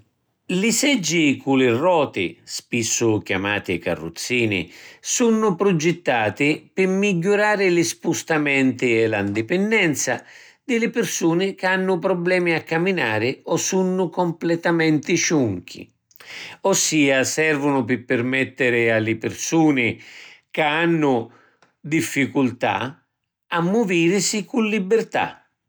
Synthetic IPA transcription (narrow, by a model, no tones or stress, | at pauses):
lɪsɛd͡ʒːikulɪrɔːt̪ɪ̰spisːʊkja̰ma̰ːt̪ɪka̰rːṵt̪sːiːnɪ̰sunːʊpɾʊd͡ʒɛt̪ːaːt̪ɪpɪmːiɟːʊɾaːɾɪlispust̪amɛnt̪ɪɛland̪ɪpɛnd̪ɛnt̪sa̰ | d̪ɪlɪpɪrsuːnɪkanːʊpɾɔblɛːmiakːaminaːɾɪɔsunːʊkɔmplɛt̪amɛnt̪ɪʃuŋk̟ʰḭ | ɔsːiːasɛrvʊnʊpɪpːɪrmɛt̪ːɪɾɪalɪpɪrsuːnɪkaanːʊ | d̪ifːikult̪a̰ | amːʊviːɾɪsikulːibɪrt̪a̰